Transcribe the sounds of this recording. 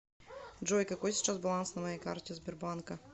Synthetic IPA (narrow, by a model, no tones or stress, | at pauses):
ʐɔjkakɔsʲt͡ʂazbalˠansnɐmɔjɛjka̰ɾtʲɛzbʲɔɾbanka